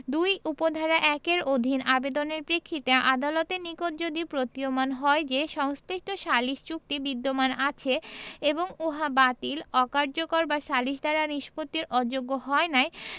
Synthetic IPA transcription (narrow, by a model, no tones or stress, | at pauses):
d̪ujupod̪ʱaɾaʔɛkeɾod̪ʱinabed̪oneɾpɾekʰːit̪eʔad̪alot̪enikot̪̚d͡ʑod̪ipɾot̪iomanɦɔed͡ʑeʃɔŋsɾiʃʈ̪oʃaliʃt͡ɕuk̚ʈibid̪ːomanat͡ɕʰeeboŋuɦabat̪ilɔkaɾd͡ʑokoɾbaʃaliʃ̬d̪ʱaɾaniʃpot̪ːiɾʔɔd͡ʑoɡːoɦɔenaj